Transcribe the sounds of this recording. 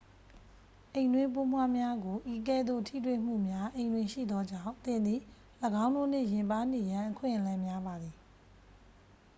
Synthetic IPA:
ʔẽ˨ɪ̃ndwɪ̃˦mp̬o˦mwa˦mja˦ɡo˨ʔi˨k̬ɛ˦˨d̪o̰˦˨tʰḭ˦˨t̬wḛ˦˨m̥ṵ˦˨mja˦ʔẽ˨ɪ̃ndwɪ̃˦˨ʃḭ˦˨d̪ɔ˦d͡ʑã̰˦˨ʊ̃nt̪ɪ̃˨nd̪ði˨ | ləɡã˦ʊ̃ndo˦˨n̥ɪ̰˦˨jɪ̃˨mpa˦n̥e˨jã˨ʔəkʰwɪ̰̃˦˨ʔəlã˨mja˦ba˨d̪ði˨

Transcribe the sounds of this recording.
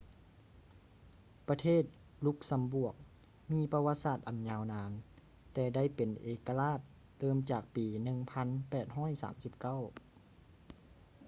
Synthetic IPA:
pa˧t̪ʰeː˥˩t̪̚ | lu˦˧˥k̚sa˨˧˦mbu˧˩ək̚ | miː˧˥˨pa˧wa˧˥t̪̚saː˨˩t̪̚ʔa˨˩nɲaː˧wnaː˨˧˥n | t̪ɛː˧˩da˥˩jpe˨˩nʔeː˨˩ka˧laː˧˥˩t̪̚ | lɤː˧˥˨mt͡ɕaː˨˩k̚piː˨nɯ˧ŋpʰa˧˥npɛː˨˩t̪̚ɦɔː˥˨jsa̰ː˩˦msi˨˧˦p̚ka˥˨w

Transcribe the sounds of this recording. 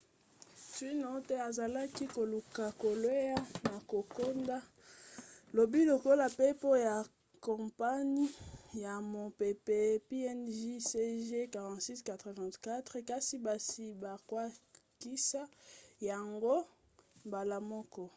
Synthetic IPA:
si˦no˨˦tɛ˦a˨za˨la˦ki˦ko˨lu˨ka˨ko˨lwe˦ja˦na˨ko˨ko˦nda˦ | lo˨bi˦lo˨ko˦la˨pe˦po˦ja˨ | kɔ̃˨pa˦ɲi˦ja˨mo˨pe˨pe˨pi˦ɛ˦nʒi˦se˦ʒe˦ka˨ʁɑ̃˨tsi˦ska˨tʁe˨vɛ̃˨tka˦tʁɛ˨ka˦si˦ba˨si˨ba˨kwa˦ | ki˦sa˦ja˨ŋɡo˦ | mba˨la˨mɔ˦kɔ˦

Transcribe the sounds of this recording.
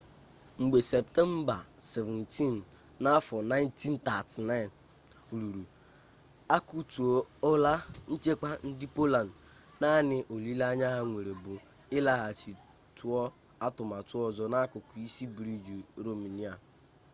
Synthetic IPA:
ŋ͡m̩˨ɡ͡be˨se˨p̚tɛ˦m̩˦ba˨se˨vɛ˨n̩ti˦n | na˦fɔ˨na˦ɪ˦n˦ti˦n̩˦ta˨ti˨na˦ɪ˨n˨ | lu˨ɾu˨ | a˦ku˦tu˨o˨ɔ˦la˦n̩˦t͡ʃe˦ka˦n̩˦dɪ˦po˦la˨n˨d | na˦nɪ˨ʔo˨li˦la˦ɲa˦ɦa˦ŋʷe˨ɾe˨bʊ˨ | ɪ˦la˦ɦa˨t͡ʃi˨ | tu˦ɔ˦ | a˦tʊ˨ma˨tu˦ɔ˨zɔ˦na˦kʊ˨kʊ˨i˦si˦bɾi˦d͡ʒi˨ɾo˨mi˨ni˦a˨

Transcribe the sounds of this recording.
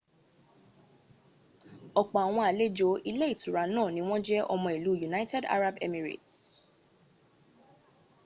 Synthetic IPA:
ɔ˨k͡pɔ˨a˨w̃ɔ̃˧a˨le˦d͡ʒo˦ʔi˧le˦i˦˨tʰu˨ɾa˨nãː˦˨nĩ˦w̃ɔ̃˦d͡ʒɛ˦ʔɔ˧mɔ̃˧i˨lu˨˦ju˨na˦tɛ˦da̰˦ɾa˦bɛ̰˦mi˨ɾḛ˨t

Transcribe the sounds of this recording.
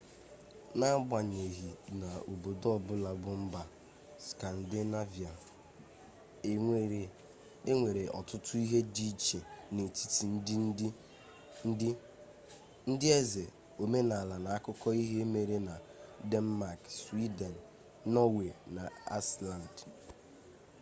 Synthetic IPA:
na˦ɡ͡bʷa˨ɲe˨ɦi˨na˨o˨bo˨dɔ˦bʊ˦la˨bʊ˦m̩˦ba˨ | ska˨n̩˨dɪ˦na˦vi˨a˨˦˨ | e˦ŋʷe˨ɾe˨ʔɔ̰˨tʊ˦tʊ˦i˦ɦe˦di˦t͡ʃe˨ne˨ti̥˦ti˨n̩˦dɪ˦n˦ | ɪ˦ | n̩˦dɪ˦e˦ze˨ | o˨me˦na˨a˨la˨na˨a˦kʊ˦kɔ˦i˦ɦe˦e˦me˨ɾe˦na˨de˦n̩˦ma˨kswi˦de˨n̩˨ | nɔ˦we˨na˨a̰˦sla˨n˨d

